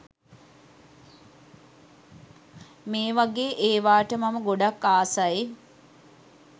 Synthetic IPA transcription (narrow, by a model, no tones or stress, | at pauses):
meːʋaɡeːʔeːʋaːʈəmaməɡoɖakːaːsaji